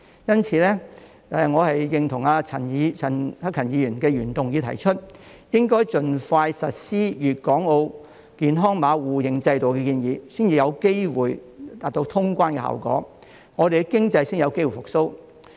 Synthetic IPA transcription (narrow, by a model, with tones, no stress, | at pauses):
jɐ˥nt͡sʰiː˨˧lɛː˥ | ɛ˨ŋɔː˨˧hɐ˨jːɪ˨ŋt̪ʰʊ˨˩ŋaː˧t͡sʰɐ˨˩ni˨˧t͡sʰɐ˨˩nhɐ˥kʰɐ˨˩njiː˨˧˥jyː˨˩nkɛː˧jyː˨˩nt̪ʊ˨ŋji˨˧tʰɐ˨˩jt͡ʃʰɵ˥t̚jɪ˥ŋkɔː˥jt͡ʃɵ˨nfaː˧jsɐ˨t̚siː˥jyː˨t̚kɔː˨˥ŋo˧w | kiː˨˩nɦɔː˥ŋmaː˨˧wuː˨˩jɪ˨˩ŋt͡sɐ˧jt̪o˨wkɛ˧kiː˧njiː˨˧siː˥nt͡siː˨˧jɐ˨˧wke˥jwuː˨˩jt̪aː˨˩t̪o˧wt̪ʰʊ˥ŋkʷaː˥nkɛ˧ha̰ː˨˩wkɔ̰ː˨˥ | ŋɔː˨˧d̪e˨kɛkɪ˥ŋt͡sɐ˧jsɪː˥ŋjɐ˨˧wke˥jwu˨˩fʊ˨˩k̚so˥w